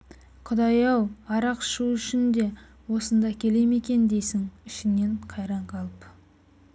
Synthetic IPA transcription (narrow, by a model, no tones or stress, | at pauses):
qʰʊd̪ɑjɑwɑɾɑqʃuʏʃɪnd̪e̞ | wo̞sənd̪ɑkʲʰe̞leme̞kʲe̞nd̪e̞jsɪŋɪʃɪneɴqʰɑjɾɑɴqʰɑlˠəp